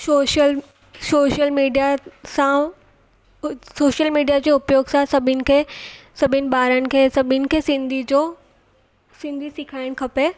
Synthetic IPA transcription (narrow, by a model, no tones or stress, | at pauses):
ʃoːʃəl | soːʃəlmiːɖijasã | soːʃəlmiːɖijad͡ʑeːʊpjoːɡsãsɐbʱɪnɪ̆kʰesɐbʱɪnɪ̆ɓaːɾənɪ̆kʰeːsɐbʱɪnɪ̆kʰeːsɪ̃nd̪ʱid͡ʑoː | sɪ̃nd̪ʱisɪkʰaːɪɽ̃kʰɐpe